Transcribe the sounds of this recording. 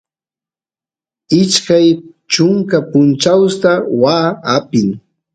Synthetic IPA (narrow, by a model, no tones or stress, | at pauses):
ɪʃkaj | t͡ʃʊŋkapʊnt͡ʃawst̪awaːapɪŋ